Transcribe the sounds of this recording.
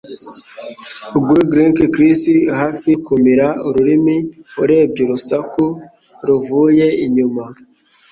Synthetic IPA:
uɡuɾuɡɾiŋkekɾisihaːfikumiɾauɾuɾimiuɾe̞ːb̚ɟuɾusaku | ɾuvuje̞iɲuma

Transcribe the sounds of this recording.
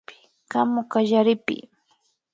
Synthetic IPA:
ɪ̥ | kamʊkaʒaɾɪpɪ̰

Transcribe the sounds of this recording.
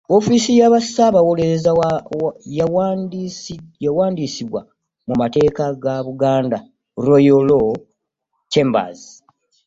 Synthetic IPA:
o̞fiːsijaβasaβawoleɾezawja | jawaːndisiβwa | mumate̞ːkaɡaβuɡaːnda | ɾojolo | t͡ʃe̞mba̰ːzi

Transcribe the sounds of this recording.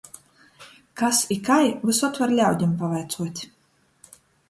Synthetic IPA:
kasikajvɨsɔt̪vɛɾlʲawd̪ʲimpavajt̪suɔt̪ʲ

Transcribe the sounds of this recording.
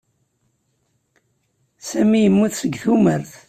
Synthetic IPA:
sæmijəmːuθsəɡːθuməɾθ

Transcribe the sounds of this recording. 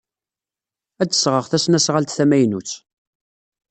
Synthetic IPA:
æt͡sːə̥sʁəʁθæsnæsʁalt̪θæmæjnut͡sː

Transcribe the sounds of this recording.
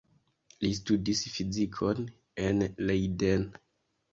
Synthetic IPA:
lis̬tudisfizikʰon | enlejden

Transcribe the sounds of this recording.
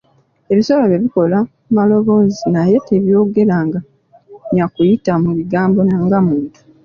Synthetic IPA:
e̞βisoβoβeβiko̞la | malo̞βo̞ːzinaje̞te̞βjo̞ːɡe̞ɾaːŋɡa | ɲakujitamuβiɡaːmbo̞naːŋɡamuːntu̥

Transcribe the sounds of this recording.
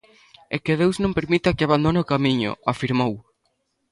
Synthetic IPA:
ekeð̞ewznõmpeɾmit̪akɪaβand̪oneokamiɲʊ̰afiɾmow

